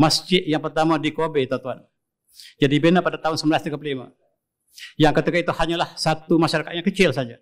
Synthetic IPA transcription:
masd͡ʒɪʔ̪jaŋpərt̪amadikobɛt̪ɔt̪uan | d͡ʒadibenapadat̪aɦʊnsəmblasd̪iɡapəlima̰ | jaŋkət̪ikait̪uhaɲalahsat̪umaʃaɾakat̪̚ɲakət͡ʃɪlsad͡ʒa

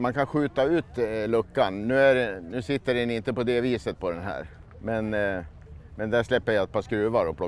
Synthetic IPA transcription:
mankʰanɧʉ̟ːt̪aʉ̟ːt̪lɵkːannʉ̟ːæɖɛnʉ̟ːsɪt̪ːəɾɛnɪnt̪əpɔd̪ɛviːsət̪̚pʰɔd̪ɛnɦæ̰ːɾ | mɛn | mɛnd̪æʂlɛpːəjaat̪̚pʰaskɾʉ̟ːvaɾɔpʰlɔ

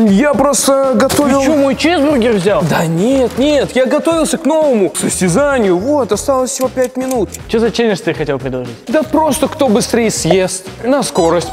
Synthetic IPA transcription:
japɾost̪əɡɐt̪ovʲlˠomojt͡ɕzb̪ɾʊɡʲirvzʲalˠd̪anʲet̪nʲet̪jaɡɐt̪o̞vʲɪlˠsʲəkno̞vəmʊksəsʲtʲɪzanʲɪjʊvot̪ɐst̪alˠəsʲsʲɪvopʲæt̚ʲmʲɪnut̪t͡ɕozɐt͡ɕenʲɪʂt̪ɨxɐtʲelˠpɾʲɪd̪lˠɐʐɨtʲd̪apɾo̞st̪əkt̪o̞bɨst̪ɾʲejsjest̪ʲnɐsko̞ɾəsʲtʲ

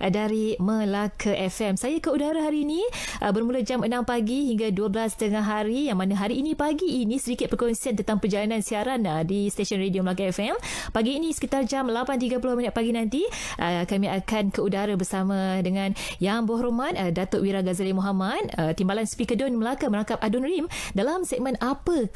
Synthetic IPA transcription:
ʔdaɾiməlakʰəʔɛfɛmsajakəudaɾaɦaɾiːniʔəbərmulad͡ʒamənampaɡiɦiŋɡaduəbəlast̪əŋaɦaɾijaŋmanaɦaɾiːnĩpaɡiːnĩsədikɪt̪̚pərkɔnsiant̪ənt̪aŋpərd͡ʒalanãnsiaɾanədist̪eʃiɔnredioməlak̬aɛfɛmpaɡiːnisə̥kit̪ard͡ʒamlapant̪̬iɡaplɔhminət̪̚paɡinãnt̪iʔəkamĩakankəudaɾabərsamãdəŋãnjaŋbɔɦɾomãt̪̚ədat̪oʔwiɾaɡazalimɔɦamat̪̚ət̪imbalanspikədɔnməlakaməɾaŋkap̚adɔnrimdalamsɛk̚mənapə

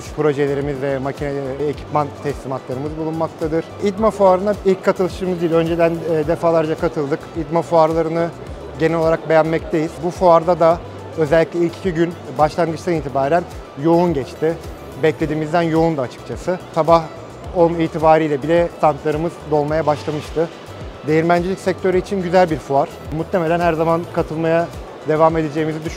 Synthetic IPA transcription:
pʰɾo̞ʒelʲe̞ɾimizvɛmacʰinɛecʰi̥pmant̪ʰɛslʲiːmat̪lˠaɾɯmɯzbulˠunmak̚t̪ʰad̪ɯɾ̥id̪mafuaɾɯnd̪ailʲc̚kʰːat̪ʰɯlˠɯʃɯmɯzd̪ijilʲø̞nd͡ʒed̪ænːd̪efaːlˠaɾd͡ʒakʰat̪ʰɯlˠd̪ɯkid̪mafuaɾlˠaɾɯnɯ | ɟe̞nɛo̞lˠaɾak̚be̞jænmɛct̪ʰejil̥bufuaɾd̪ad̪a | ø̞zɛlʲːicʲlʲɛilʲcʰi̥cʰiɟynbaʃlˠanɡɯt͡ʃt̪aniːt̪ʰibaːɾæn | jo̞unɟɛt͡ʃt̪ʰɪ | bɛclʲed̪iːmizd̪ænjo̞und̪aːt͡ʃʰɯ̥k̚t͡ʃʰasɯsabah | oniːt̪ʰibaːɾijlʲɛbilʲɛt̪ʰant̪lˠaɾɯmɯzd̪o̞lˠmajabaʃlˠamɯʃt̪ʰɯ | d̪e̞jiɾmænd͡ʒelʲicʲsɛc̚t̪ʰøɾyit͡ʃʰinɟyzælʲbiɾfuaɾ̥ | mut̪ːʰe̞melʲænhɦæɾzamankʰat̪ʰɯlˠmaja | d̪e̞vame̞d̪e̞d͡ʒe̞ːimizid̪yʃ

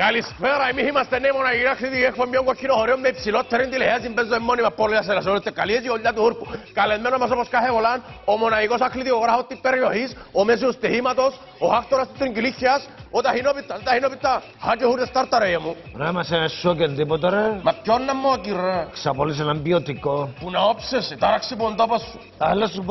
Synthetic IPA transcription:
kalisfeɾaimihimast̪enːemonaiɣiɾakʰlit̪iekpomjoŋkokʰːinohoɾiomːepsilot̪ʰːeɾend̪ilehias̬imbensoemːonimapːoɾlːijas̬elas̬olet̪ːekːaliesioʎːat̪uhuɾpukalemenomas̬oposkaɦeβolanomonaikosakʰlit̪ioɣɾaɦot̪ːipːeɾjohisomes̬iust̪ihimat̪os | ohak̚t̪oɾast̪it̪ɾiŋkilixjasot̪aɦinopit̪ːast̪ahinopit̪ːa | hat͡ʃehuɾest̪aɾt̪aɾejamu | ɾamasɛnasokend̪ipɔt̪aɾemap̚jonːamːokiraksapolis̬ɛnampiot̪ikopunaopseset̪aɾaksipunt̪opasu | alasup

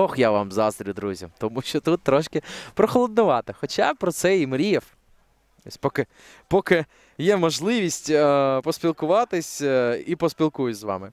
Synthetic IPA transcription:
ɔxjaʋɑmzɑst̪ɾʲʊd̪ɾuzʲɐ̰mt̪ɔmuʃt͡ʃɔt̪ut̪ːɾɔʃkɪpɾɔxɔlˠɔd̪̚nʊʋɑt̪ɪxɔt͡ʃɑpɾɔt̪sɛimɾʲif | ɔ̰sʲpɔkɪ | pɔkɪ | jɛmɔʒlˠɪʋʲisʲtʲpɔspʲilˠkʊʋɑt̪ɪsʲipɔspʲilˠkujʊtʲzʋɑ̰mɪ

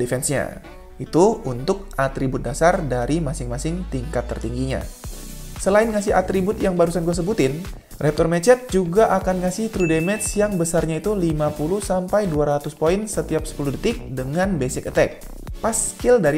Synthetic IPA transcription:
difɛnsɲa̰ | it̪uunt̪ʊk̚at̪ɾibʊt̪̚dasardaɾimasɪŋmasɪŋt̪iŋkat̪ːərt̪iŋɡiɲa̰ | səlaɪnŋas̬ɪɦat̪ɾibʊt̪jaŋbaɾusankəs̬əbut̪ɪn | rɛp̚t̪ɔrmɛt͡ʃɛt̪̚d͡ʒuɡaʔakanŋasɪht̪ɾudemɛt̪sjaŋbəsarɲait̪ulimapuluhsampajduaɾat̪ʊspoɪnsət̪iap̚sə̥puluhdət̪ɪk̚dəŋanbesɪkət̪ɛk̚ | paskɪldaɾi

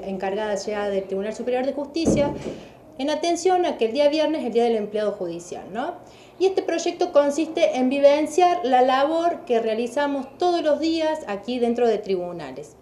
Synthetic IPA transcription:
eŋkaɾɣaðaʒaðelt̪ɾiβunalsupeɾjo̞ɾð̞exust̪isja | enat̪ensjo̞nakeld̪iaβjeɾneseld̪iað̞ele̞mpleað̞o̞xuð̞isja̰lno̞ | iest̪epɾo̞ʒek̚t̪o̞ko̞nsist̪eʔembiβensjaɾlalaβo̞ɾkerealisamost̪oð̞oslo̞zðiasakiðe̞nt̪ɾo̞ð̞e̞t̪ɾiβuna̰les

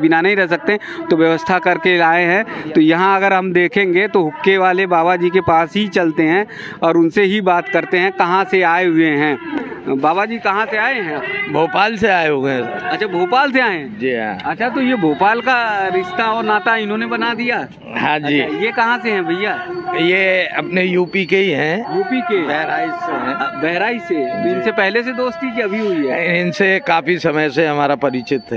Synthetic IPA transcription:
bɪnanɐɦĩɾɛɦsɐk̚t̪ẽ | t̪oʋjɐʋəst̪ʰakɐɾkeaːeɦɛ̃t̪ojɐɦãɐɡəɾɦɐmd̪eːkʰẽːŋɡet̪oɦʊkːeʋaːlebaːβad͡ʒiːkepaːsɦit͡ʃɐlt̪eɦɛ̃ | ɔːɾʊnseɦibaːt̪kɐɾt̪eɦɛ̃kɐɦãseaːeɦʊeɦɛ̃ːbaːbad͡ʒiːkɐɦãseaːẽɦɛ̃bʱoːpaːlseaːeɦõɐtːʃʰabʱoːpaːlseaːẽd͡ʒḭ̃ːɐtːʃʰat̪ojebʱoːpaːlkaɾɪʃt̪aɔːɾnaːt̪aɪnɦõnebɐnad̪ija | ɦãːd͡ʒiːjekɐɦãseɦɛ̃bʱɐijaːjeɐpnejuːpikeiɦɛ̃juːpikebɛɦɾaːiseɦɛ̃bɛɦɾaːiset̪oɪnsepɛɦles̬ed̪oːst̪ikiɐbʱiɦʊiɦɛɪnsekaːfisɐməjseɦɐmaːɾapɐɾɪt͡ʃɪt̪ɦɛ

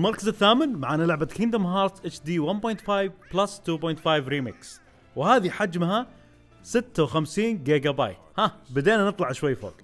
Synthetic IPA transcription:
ɪlmɑɾˤkazɪθːaːmɪnmaʕanɪlʕabakɪnd̪amɦɑːɾˤt̪ʔɪt͡ʃd̪iːwanboːjnt̪faːjvplast̪uːbojnt̪fajvɾiːmɪks | whaːðiħad͡ʒmha | sɪt̪ːawxamsiːnɡeːɡaba̰ːj | habad̪eːnanɨt̪ˤlɑʕʃwajːfo̰ːk

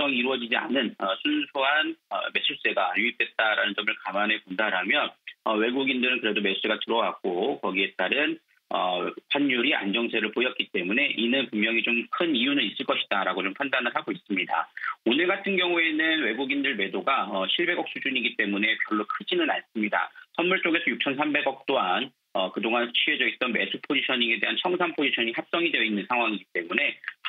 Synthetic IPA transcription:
ʌŋiɾuʌd͡ʑid͡ʑia̰nɯnʌsʰunsʰoɦanʌ̰me̞s͈ʰus͈e̞ɡajuip̚t͈wet̚t͈aɾanɯnd͡ʑʌmɯɭkamane̞kondaɾɦamjʌnʌwe̞ɡuɡindɯɾɯnkɯɾe̞dome̞sus͈eɡatɯɾʌwaɡ̥okʌɡie̞t͈aɾɯn | ʌpʰanjuɾia̰nd͡ʑʌŋsʰe̞ɾɯɭpojʌt̚k͈it͈e̞mune̞ʔinɯnpummjʌŋit͡ɕomkʰɯnijunɯnis͈ɯɭk͈ʌɕʰi̥d̥aɾaɡot͡ɕompʰandanɯɭɦaɡois͈ɯmɲida̰onɯɭɡatʰɯnɡjʌŋue̞nɯnwe̞ɡuɡindɯɭme̞doɡaʌɕʰiɭbe̞ɡʌk̚s͈ʰud͡ʑuɲiɡit͈e̞mune̞pjʌɭːokʰɯd͡ʑinɯnaɭs͈ɯmɲida̰sʰʌnmuɭt͡ɕ͈oɡe̞sʰʌjuk̚t͡ɕʰʌnsʰambe̞ɡʌk̚t͈oan | ʌkɯdoŋant͡ɕʰɥie̞d͡ʑʌit͈ʌnme̞sʰupʰod͡ʑiɕʰʌɲiŋe̞de̞ɦant͡ɕʰʌŋsʰaŋpʰod͡ʑiɕʰʌɲihap̚s͈ʌŋidejʌinːɯnsʰaŋɦwaŋiɡit͈e̞mune̞

